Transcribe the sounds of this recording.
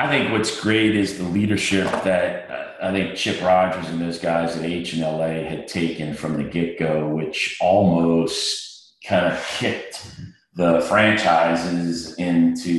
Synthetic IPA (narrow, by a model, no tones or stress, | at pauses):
aɪθɪ̃ŋkwʌtsɡ̥ɹeɪɾɪzðəliɾə˞ʃɪp̚ðɨt̚ʌaɪθɪ̃ŋk̚t͡ʃʰɪpɹɑd͡ʒʌzɨ̃n̩ðoʊzɡaɪzðɨɾeɪt͡ʃɨ̃nɛlˠeɪɨd̚tʰeɪkɨ̃nfɹʌ̃mðɨɡɪkoʊwɪt͡ʃɔlˠmoʊst̚ | kʰãɪ̃ndɨv̥hɪt̪̚ | ðəfɹæ̃nt͡ʃʰaɪzɪzɪ̃ntʰʉ